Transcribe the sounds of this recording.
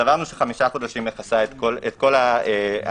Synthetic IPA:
avaʁnuʃeχamiʃako̞d̪aʃimeχasaet̪kolet̪̚ko̞lae

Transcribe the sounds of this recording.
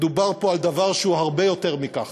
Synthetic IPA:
d̪ubaʁpo̞ald̪avaʁʃeuɦaʁbe̞jo̞t̪e̞ʁmikaχ

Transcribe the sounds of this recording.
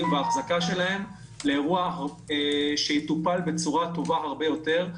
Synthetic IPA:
mveaχzakaʃe̞laɦe̞m | leːʁua | ʃejit̪upalbe̞t͡suʁat̪o̞vaɦaʁbe̞jo̞t̪e̞ʁ

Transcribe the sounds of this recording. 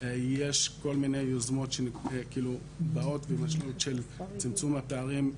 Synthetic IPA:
je̞ʃko̞lminejozmo̞tʃenkiːlu | bao̞tvemaʃlutʃe̞lt͡simt͡sumhapeaʁim

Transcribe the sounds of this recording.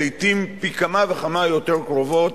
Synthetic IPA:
lit̪impikamaveχamajo̞teʁkʁovo̞t

